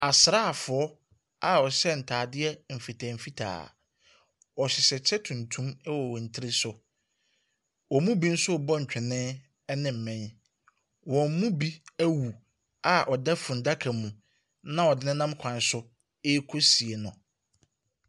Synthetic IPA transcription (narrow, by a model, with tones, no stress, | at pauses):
a˨sɾa˦˨fʊ˨ɔ˦ | a˨ɔ˨ɕɛ˦n̩˨tʰaː˨dɪ˦ɛ˦m̩˨fi˨tʰa˨m̩˨fi˦tʰa̰ː˨ | ɔ˨ɕɪ˨ɕɛ˨t͡ɕʰɛ˦tʰũ˨ntʰũ˦m˦wɔ˨wɔ̃˨n̩˨tʰɪ˦ɾɪ˦sʊ˨ | wɔ˨˦mũ˦bi˦n̩˦sʊ˦˨bɔ˦ɲ̩˨t͡ɕᶣɪ˨nɪ̃˦ | nɪ̃˦m̩˨mɛ̃˦n | wɔ̃˨m̩˦mũ˦bi˦æ˦wu˨ | a˨ʔɔ˨dɛ˦fʊ̃˨n̩˨da˦kʰa˨mũ˨ | nã˦ɔ˨dɪ˨˦nɪ̃˦nã˦mkʷʰã˨n˨sʊ˦ | e˦kʰo˦si˨e˨nʊ̃˨